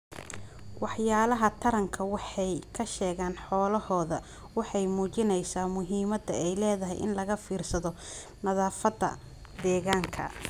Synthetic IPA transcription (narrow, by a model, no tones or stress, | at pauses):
wɑħjaːlɐɦɐt̪ʰɐɾɐŋkʰɐwɑħɑjkʰɐʃɛːɣaːnħɔːlɐhɔːðɐ | wɑħɑjmuːt͡ʃɪnɛjsaːmʊɦiːmɐd̪ɐɛjlɛːðɐɦɛ̰jʔɪ̰nlɐɣɐfiːrsɐðɔ | nɐðaːfɐd̪ɐ̰ | d̪ɛːɣaːŋkʰɐ̰